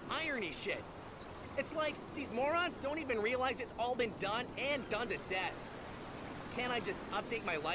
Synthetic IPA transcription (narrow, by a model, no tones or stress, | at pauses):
ʔaɪə˞niʃɪt̚ | ɨtslaɪkðizmɔɹɑ̃nsd̥õʊ̃ntivɨ̃nɹiəlaɪzdɨtsɔlˠbɨ̃ndʌ̃nɨ̃ndʌ̃ntɨdɛθ | kʰɨ̃ɾ̃aɪd͡ʒʌstʌp̚d̥eɪt̚maɪla